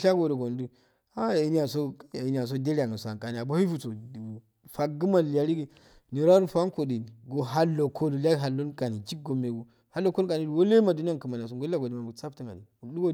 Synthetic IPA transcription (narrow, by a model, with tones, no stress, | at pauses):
ʃa˦ɡo˨do˨ɡo˨n˦du˦ | a˦ja˨ji˦ni˦a˨so˦˨ja˨ji˦n˦a˨s̬o˦de˦ɾi˦a˨ŋa˨sa̰˨ka˨ni˨a˨bo˦hi˦fu˨so˨ | fa˨ɡi˦ma˨li˨a˨ɾi˦ɡi˦ | ni˨ɾa˦ɾu˦fa˦ko˨di˨ni˨ɡo˨ɦa˦lːo˨kʰo˦lu˨lʲa˦ɦa˨lːo˦nka˨ni˨t͡ʃi˦k̚ɡo˨mːe˨ɡu˨ | ha˨˦lːo˨˦ko˦ka˨ni˨˦du˨wo˦le˦ma˨du˦ni˦a˦kə˨ma˨n˨a˨s̬o˨ɡo˦a˦ɡo˨di˦ma˨u˨t͡sa˦pti˦˨ŋɡa̰˨dḭ˨u˨˦du˦ɡo˦